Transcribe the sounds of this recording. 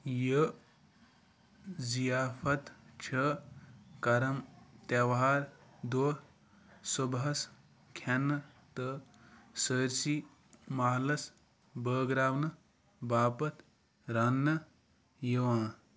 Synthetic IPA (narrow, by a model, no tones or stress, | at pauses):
jə | zijaːfʰɐt̪t͡ʃʰɐ | kɐɾɐmt̪ɐʋaːɾd̪o | subɦɐs | kʰɐnːɨ | t̪ə | səɾsi | maːɦlɐs | bəːɡɾaːwnɨ | baːpɐt̪ | ɾɐnːɐ | jəwãː